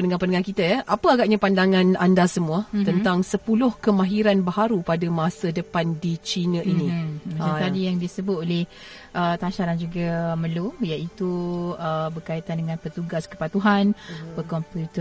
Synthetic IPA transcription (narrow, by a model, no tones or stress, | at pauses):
pənəŋãpəndəŋankit̪ajʔapəaɡaʔ̚ɲapandaŋãnandasəmũət̪ənt̪aŋsəpulʊhkəmãɦiɾanbaɦaɾupadamasədəpandit͡ʃinə̃ʔinĩaat̪adijaŋdisəbʊt̪olɪh | ʔət̪aʃaɾand͡ʒuɡamə̃lumjaʔit̪uəbərkait̪andəŋãnpət̪uɡaskə̥padt̪uɦanpəkɔmput̪ə